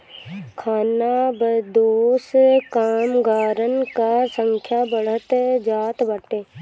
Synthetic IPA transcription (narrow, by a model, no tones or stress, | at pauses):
kʰaːnabəd̪oːskaːmɡaːɾənkasə̃ŋkʰjabəɽ̤ət̪d͡ʒaːt̪bəʈeː